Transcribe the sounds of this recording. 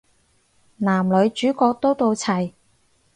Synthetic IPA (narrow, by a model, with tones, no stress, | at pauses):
naː˨˩mlɵ˨˧˥ɥt͡ʃyː˨˥kɔː˧k̚t̪o˥wt̪o˧wt͡sʰɐ˨˩j